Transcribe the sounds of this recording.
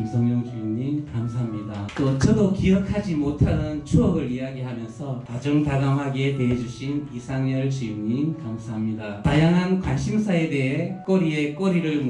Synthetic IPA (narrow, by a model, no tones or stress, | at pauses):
msʰʌŋɲʌŋt͡ɕijuɲimkamsʰaɦamɲidakʌt͡ɕʰʌdokijʌkʰad͡ʑimotʰanɯnt͡ɕʰuʌɡɯɭiaɡiɦamjʌnsʰʌtad͡ʑʌŋtaɡamɦaɡeteɦed͡ʑuɕʰinisʰaŋɲʌɭt͡ɕijuɲimkamsʰaɦamɲidatajaŋɦankwanɕʰimsʰae̞de̞ɦek͈ʌɾie̞k͈ʌɾiɾɯɭm